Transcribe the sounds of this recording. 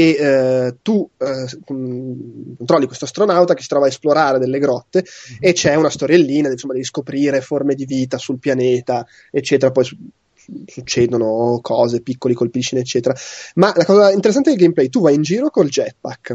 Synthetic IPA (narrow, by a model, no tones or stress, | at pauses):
et̪u | kont̪ɾɔlːikwest̪ast̪ɾonawt̪akesit̪ɾɔvaesploɾaːɾed̪elːeɡɾɔt̪ːeːt͡ʃɛunast̪oɾjelːiːnad̪ɛsomːad̪ɛviskopɾiːɾeformed̪iviːt̪asulpjaneːt̪a | et͡ʃːɛːt̪eɾapɔjsu | sut͡ʃːeːd̪onokʰɔːzepikːolikolpiʃːineːt͡ʃːɛːt̪eɾamalakɔːzaint̪eɾes̬ːant̪eilɡejmplɛjt̪uvajind͡ʒiːɾokold͡ʒɛt̪̚pakː